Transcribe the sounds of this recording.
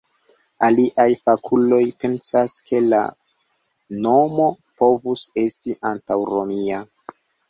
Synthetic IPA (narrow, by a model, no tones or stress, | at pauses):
aliʔajfakʰulo̞jpe̞nsaskʰe̞la̰ | no̞mo̞ | po̞vuse̞stiʔantawɾo̞mia